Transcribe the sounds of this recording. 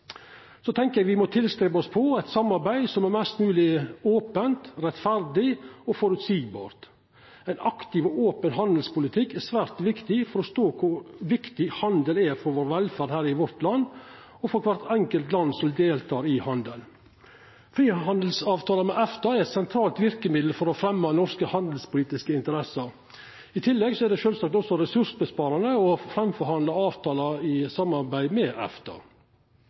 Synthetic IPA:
sɔt̪ʰɛŋkəɾjæɡʋɪmɔt̪ʰɪlst̪ɾɛbəɔspʰɔɛɪt̪sɑmːɑɾbæɪsɔmɛɾmɛst̪nʉːlɪoːpənt̪ɾɛt̪fæɾd̪ɪɔfɔɾʉt̪siːɡ̚bɑ̰ːɾt̪ | æɪnɑkt̪ɪʋɔoːpənɦɑnd̪əlspʊlɪt̪ʰɪkːɛsʋæːɾt̪ʋɪkt̪ɪfɔɾɔst̪oːkʰʊɾʋɪkt̪ɪhɑnd̪əlɛɾfɔɾʋoːɾʋɛlfæːɾd̪hæːɾɪʋɔɾt̪lɑnː | ɔfɔɾkʰʋɑɾt̪ɛŋkəlt̪lɑnːsɔmd̪eːlt̪ʰɑːɾɪhɑnd̪əl | fɾiːɦɑnd̪l̩sɑːʋt̪ʰɑːləmɛʔɛft̪ɑɛɾɛt̪sɛnt̪ʰɾɑːlt̪ʋɪɾkəmɪd̪l̩fɔɾɔfɾɛmːɑnɔɾskəhɑnd̪əl̩spʊliːt̪ɪskəɪnt̪əɾɛsəɾ | ɪt̪ʰɪlːɛɡsɔɛɖ̪ɛʃøːlsɑːk̚t̪ɔsːɔɾɛsʉʂbəspɑːɾɑnəɔfɾɛmfɔɾhɑnd̪ɑɑːʋt̪ʰɑːlɑɪsɑmːɑɾbæɪd̪mɛʔɛ̰ft̪ʰɑ̰

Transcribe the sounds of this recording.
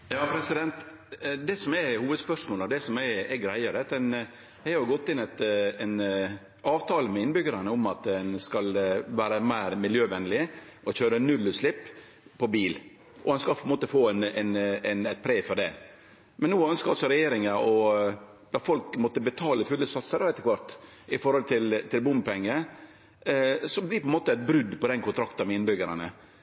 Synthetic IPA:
jɑːpʰɾɛsɪd̪ɛnt̪ | d̪ɛsɔmɛhuːʋəd̪spœʂmoːləd̪ɛsɔmɛɛɡɾæɪəɾət̪ɛn | hɑɾʊʊɡɔt̪ːɪnɛɪt̪ɛn | ɑːʋt̪ʰɑːləmɛɪnbʏɡəɾɑnəʊmɑt̪ɛnskɑlʋæːɾəmæɪɾmɪljøːʋɛnlɪɔçøːɾənʉlːʉt̪slɪpː | pʰːɔbiːl | ʔɔdɛnskɑpʰɔɛnmoːt̪əfoːɛnɛnɛnɛt̪̚pʰɾeːfɔɖɛ | mɛnːuːœnskəɾɑlsɔɾɛjeːɾɪŋəɾɔ | d̪̥ɑfɔlk̚mɔːt̪ːəbət̪ʰɑːləfʉlːəsɑt̪səɾɑʋɛt̪ːəkʋɑɾt̪ | ʔɪfɔɾhɔlt̪ʰɪlt̪ʰɪlbʊmpɛŋːə | sɔblɪpɔɛnmoːt̪əɛɪt̪̚bɾʉd̪pɔd̪ɛnkʊnt̪ɾɑkt̪əɾmɛɪnbʏɡəɾɑnə̰

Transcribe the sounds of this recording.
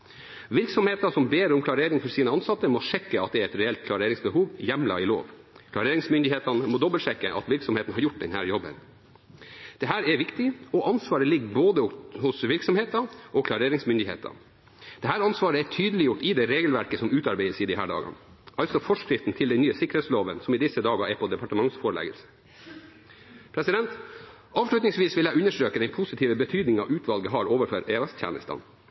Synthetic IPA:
ʋɪɾksɔmheːt̪ɑsɔmbeːɾɔmklɑɾeːɾɪŋfɔɾsiːnəɑnsɑt̪ːəmɔʂɛkːəɑt̪̚d̪ɛæɾɛt̪ɾɛɛlt̪̚kʰlɑɾeːɾɪŋsbəhuːʋjɛmlɑ̰ɪlo̰ːʋkʰlɑɾeːɾɪŋsmʏnd̪ɪheːt̪ɑnəmɔd̪ɔbəlʂɛkːəʔɑ̰t̪ʋɪɾksɔmheːt̪n̩hɑɾjʊʈ̚ːd̪ɛnhæ̰ːɾjɔbə̰n | d̪̥ɛɦæːɾɛʋɪkt̪ɪɔʔɑnsʋɑːɾəlɪɡːboːd̪əhʊsʋɪɾksɔmheːt̪ɑʔɔkʰlɑɾeːɾɪŋsmʏnd̪ɪhḛːt̪ʰɑ̰n | d̪̥ɛɦæːɾɑnsʋɑːɾəɛʈʰyːd̪əlɪjʊʈɪd̪ɛɾeːɡəlʋæɾkəsɔmʉːt̪ɑɾbæɪsiːd̪ɪɦæ̰ːɖɑ̰ːɡɑ̰n | ʔɑlt̪sɔfɔʂkɾɪft̪n̩t̪ʰɪld̪ɛnyːəsɪkːɾəheːt̪sloːʋənsɔmiːd̪ɪsːəd̪ɑːɡɑɛpʰod̪ɛpɑʈəmɑŋsfoːɾəɭɛ̰ɡə̰lsə̥ | pʰɾɛsɪd̪ɛnt̪ | ɑːʋʂɭʉt̪nɪŋsʋiːsʋɪljæɪʉnːəʂʈɾøːkəd̪ɛɪnpʰʊsɪt̪ʰiːʋəbət̪ʰyːd̪nɪŋɑ̰ʔʉːt̪ʰʋɑlɡəɦɑɾoːʋəɾføɾeːɛst̪ʰjæ̰ːnə̰st̪ɑ̰n

